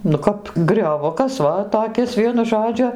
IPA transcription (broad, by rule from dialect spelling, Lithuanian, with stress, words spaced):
nʊ ˈkɐp ɡrʲoːˈʋʊkɐs ˈʋɐ toːˈkʲɪs ˈʋʲiɛnʊ ˈʒoːd͡ʒʲʊ